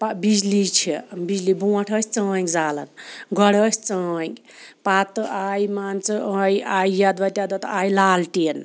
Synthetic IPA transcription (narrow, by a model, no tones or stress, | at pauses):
pabid͡zlit͡ʃʰibid͡zlibũːʈʰəsʲt͡səːkd͡zaːlə̰nɡʌɽəsʲt͡səːk | pat̪ɨʔaːjmaːnt͡sɨajaːjjad̪ʋɐt̪jad̪at̪aːjlaːlʈin